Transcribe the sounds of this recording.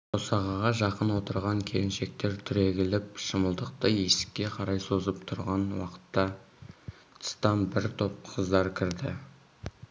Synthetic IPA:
osɑʁɑʁɑʒɑqənwo̞t̪əɾʁɑŋkʲʰe̞lɪnʃe̞k̚t̪e̞ɾt̪ʰʏɾe̞ɡʲɪlɪpʃəməlˠd̪əq̚t̪əesɪ̥kʲːe̞qʰɑɾɑjsozəpt̪ʰʊɾʁɑnwɑ̰qə̥t̪ːɑ | t̪ʰst̪ɑmbɪɾt̪ʰo̞p̚qʰəzd̪ɑɾkʲʰɪɾd̪ɪ

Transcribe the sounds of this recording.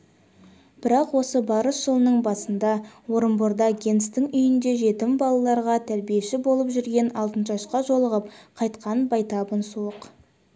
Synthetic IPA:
b̥ɪɾɑqwo̞səbɑɾəsʒ̥əlˠənəɴbɑsənd̪ɑwo̞ɾəmboɾd̪ɑɡʲe̞nst̪ɪŋʏjɪnd̪e̞ʒe̞t̪ɪmbɑlˠɑlˠɑɾʁɑt̪ʰæɾbije̞ʃɪbo̞lˠəpʒʏɾɡʲe̞nɑlˠt̪ənʃɑʃqɑʒo̞lˠəʁəpqʰɑjt̪qʰɑnbɑjt̪ɑbənsuəq

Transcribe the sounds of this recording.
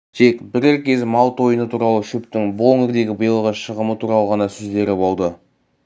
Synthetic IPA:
t̪ʰe̞kbɪɾɪɾkʲe̞zmɑlˠt̪ʰo̞jənət̪ʰuɾɑlˠəʃʊp̚t̪ɪŋbloŋɪɾd̪e̞ɡʲɪbəjəlˠʁəʃəʁəmət̪ʰuɾɑlˠəʁɑnɑsɵzd̪e̞ɾɪbo̞lˠd̪ə

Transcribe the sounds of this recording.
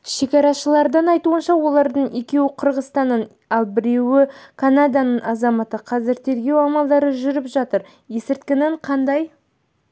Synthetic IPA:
ʃe̞kʲɑɾɑʃəlˠɑɾd̪ənɑjt̪uənʃɑwo̞lˠɑɾd̪əɴe̞kʲe̞wɪqʰəɾʁəst̪ɑnːən | ɑlˠbɪɾe̞wɪkʰanad̪anəɴɑzɑmɑt̪əqʰɑzɪɾt̪ʰe̞ɾɡʲe̞wɑmɑlˠd̪ɑɾəʒʏɾɪpʒɑt̪əɾ | je̞sɪɾt̪̚kʲɪneɴqʰɑnd̪ɑj

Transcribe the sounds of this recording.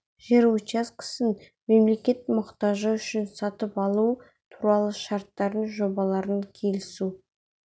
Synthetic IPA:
ʒeɾot͡ʃaskʲʰɪ̥sən | me̞mle̞kʲe̞t̪mʊqt̪ɑʒəʏʃɪnsɑt̪əpɑlˠu | t̪ʰuɾɑlˠəʃɑɾt̪ːɑɾənʒo̞bɑlˠɑɾəŋkʲʰe̞lɪsu

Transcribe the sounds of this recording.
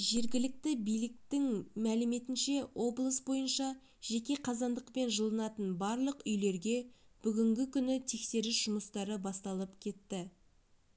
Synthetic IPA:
ʒe̞ɾɡʲɪlɪk̚t̪ɪbijlɪk̚t̪ɪŋmælɪme̞t̪ɪnʃe̞wʔo̞blˠəsbo̞jənʃɑ | ʒ̥e̞kʲe̞qʰɑzɑnd̪əqpe̞nʒəlˠənɑt̪ənbɑɾlˠəqʏjle̞ɾɡʲe̞b̥ʏɡʲɪŋɡʲɪkʲʰʏnɪt̪ʰe̞kse̞ɾɪsʒ̥ʊməst̪ɑɾəbɑst̪ɑlˠəpkʲʰe̞t̪ːɪ

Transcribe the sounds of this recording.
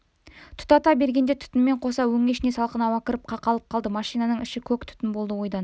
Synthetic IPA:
t̪ʰʊ̥t̪ɑt̪ɑbe̞ɾɡʲe̞nd̪et̪ʰʏ̥t̪ɪnme̞ɴqʰo̞sɑwɵŋeʃɪne̞sɑlˠqənɑwɑkʲɪɾəp̚qʰɑqɑlˠəp̚qʰɑlˠd̪əmɑʃijnɑnəɴɪʃɪkʲʰɵkt̪ʰʏ̥t̪ɪnbo̞lˠd̪əwo̞jd̪ɑn

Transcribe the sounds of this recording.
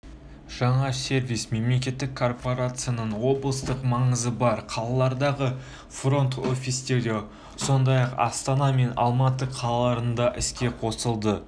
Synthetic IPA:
ʒ̥ɑɴɑse̞ɾvijsme̞mle̞kʲe̞t̪ːɪkʰːo̞rpo̞ɾat̪sɨjanəɴwo̞blˠəst̪əqmɑɴəzəbɑɾqʰɑlˠɑlˠɑɾd̪ɑʁə | fro̞nt̪o̞fʲist̪e̞ɾd̪e | so̞nd̪ɑjɑqɑ̰st̪ɑnɑme̞nɑ̰lˠmɑt̪əqʰɑlˠɑlˠɑɾənd̪ɑʔɪskʲe̞qʰo̞səlˠd̪ə

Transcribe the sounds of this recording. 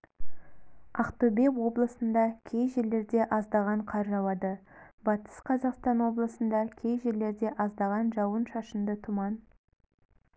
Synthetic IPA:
ɑqt̪obe̞wo̞blˠəsənd̪ɑkʲʰe̞jʒele̞ɾd̪e̞ʔɑzd̪ɑʁɑɴqʰɑɾʒɑwˠɑd̪ə | bɑt̪ə̥sqʰɑzɑqst̪ɑnwo̞blˠəsənd̪ɑkʲʰe̞jʒele̞ɾd̪e̞ʔɑzd̪ɑʁɑnʒɑwənʃɑʃənd̪ət̪ʰʊmɑn

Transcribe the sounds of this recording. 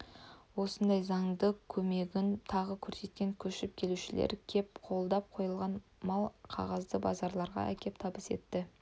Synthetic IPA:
wo̞sənd̪ɑjzɑŋd̪əkʲʰɵme̞ɡʲɪnt̪ʰɑʁəkʲʰɵɾse̞t̪̚kʲe̞ŋkʲʰɵʃɪp̚kʲʰe̞luʃɪlḛɾkʲʰep̚qʰo̞lˠd̪ɑp̚qʰo̞jəlˠʁɑn | mɑlˠqʰɑ̰ʁɑzd̪əbɑ̰zɑɾlˠɑɾʁɑ̰æ̰kʲʰe̞p̚t̪ʰɑbəse̞̰t̪ːɪ

